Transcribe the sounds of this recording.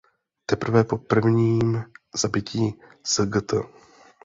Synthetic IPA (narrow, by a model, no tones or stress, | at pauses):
t̪ɛpr̩vɛpo̞pr̩vɲiːmzabɪciː | z̥əɡət̪ə